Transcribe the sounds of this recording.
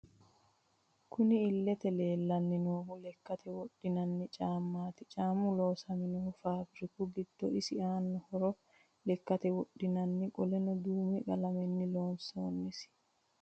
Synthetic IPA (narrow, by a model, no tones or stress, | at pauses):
kʰʊnɪːlːɛt̪ɛle̞ːlːɐnːɪnoːhʊlɛkːɐt̪ʰɛwɔɗːɪnɐnːɪt͡ʃʼaːmːaːt̪ɪt͡ʃʼaːmʊlo̞ːsɐmɪnoːfaːbɾɪkʊɡɪd̪̥ːɔɪsɪaːnːɔhɔɾɔ | lɛkːɐt̪ɛwɔɗːɪnɐnːɪkʼɔlɛnɔd̪uːmɛɡɐlɐmɛnːɪloːnsoːnːɪs